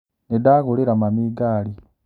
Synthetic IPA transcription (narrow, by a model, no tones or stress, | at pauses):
nedaɣoleɾamamiɡaːli